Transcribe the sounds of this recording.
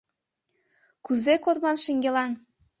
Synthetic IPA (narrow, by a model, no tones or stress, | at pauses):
kuzekot̪mɑnʃeŋɡʲelɑŋ